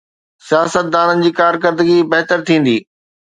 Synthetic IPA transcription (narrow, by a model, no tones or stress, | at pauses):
sijaːsət̪̚d̪aːnənɪ̆d͡ʑiːkaːɾk̬əɾd̪əɡibɐɦt̪əɾt̪ʰĩːn̆d̪iː